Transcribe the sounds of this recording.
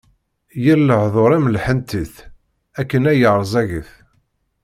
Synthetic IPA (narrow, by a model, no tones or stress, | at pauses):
jəlːəħðˤoɾˤæmlħənt̪iθ | ækːənæjəʕɾˤzˤæɣəθ